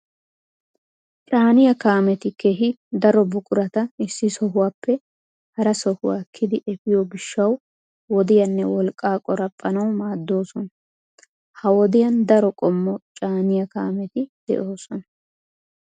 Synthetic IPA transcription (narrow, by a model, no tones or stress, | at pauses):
t͡ʃʼaːnɪjɐkaːmɛt̪ɪkeɦɪd̪ɐɾɔbʊkʼʊɾɐt̪ɐɪsːɪsɔɦʊwaːpːɛ | hɐɾɐsɔhʊwaːkʰːɪd̪ɪʔɛfɪjɔɡɪʃːɐw | wɔd̪ɪjɐnːɛwɔlkʼːaːkʼɔɾɐpʼːɐnɐwmaːd̪ːo̞ːsɔnɐ | hɐwɔd̪ɪjɐnd̪ɐɾɔkʼɔmːɔt͡ʃʼaːnɪjɐkaːmɛt̪ɪd̪̥ɛ̰ʔoːsɔnɐ